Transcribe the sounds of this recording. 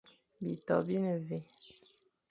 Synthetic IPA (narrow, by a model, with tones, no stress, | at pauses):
bi˨tɔ̰˨bi˦nə˨ve˨